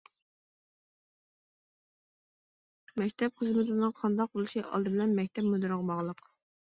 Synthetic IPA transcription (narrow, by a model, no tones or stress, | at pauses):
mɛkʲt̪ʰɛp̚χəzmɪt̪ɪnɨŋqʰɑnd̪ɑq̚bolˠɨʃiʔɑ̰lˠd̪ɨbɪlɛnmɛk̚ʲt̪ʰɛpmud̪ɨɾɨʁəbɑʁlˠəq